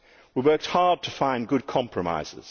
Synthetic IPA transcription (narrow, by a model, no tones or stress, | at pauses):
wiwɜˑ˞k̚t̚hɑɹd̚tʰəfãɪ̃nɡʊd̚kʰɑ̃mpʰɹ̥əma̰ɪz̥ɪ̰z̥